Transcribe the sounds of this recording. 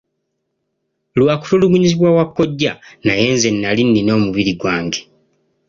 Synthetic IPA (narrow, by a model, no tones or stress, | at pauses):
lwaːku̥tulumuɲiziβwawakːo̞ɟːanaje̞ːnze̞nːalinːino̞ːmuβiɾiɡwaːŋɡe